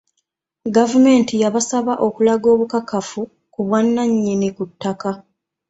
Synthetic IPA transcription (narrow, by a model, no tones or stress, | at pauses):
ɡavume̞ːntijaβasaβaʔo̞kulaɡo̞ːβukakafu | kuβwanːaɲːinikutːaka